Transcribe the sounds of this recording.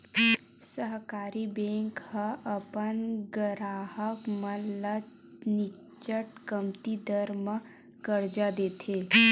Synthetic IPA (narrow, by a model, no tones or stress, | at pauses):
səɦkaɾibẽŋkhəʔəpənɡəɾaɦəkmələ | ni | t͡ʃəʈkəmt̪id̪əɾmə | kəɾd͡ʒad̪et̪ʰe